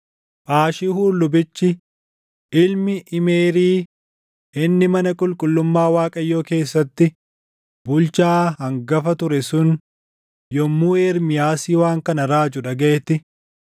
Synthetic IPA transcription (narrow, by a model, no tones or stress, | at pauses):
ʔaːʃɪhuːlːʊbɪt͡ʃːɪ | ʔɪlmɪʔɪmeːɾiː | ʔɪnːɪmɐnɐkʼʊlkʼʊlːʊmːaːwaːkʼɐjːoːke̞ːsːɐt̪ːɪ | bʊlt͡ʃaːhɐŋɡɐfɐt̪ʊɾɛsʊn | jɔmːuːeːɾmɪjaːsiːwaːŋkɐnɐɾaːd͡ʒʊᶑɐɡɐʔɛt̪ːɪ